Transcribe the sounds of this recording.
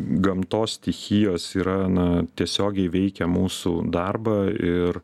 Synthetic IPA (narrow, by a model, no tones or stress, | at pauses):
ɡɐmt̪oːst̪ʲɪxʲɪjoːsiːɾɐnɐt̪ʲiɛsʲoːɡʲɛɪʋʲɛɪkʲɛmuːsuːd̪ɑrbɐɪɾ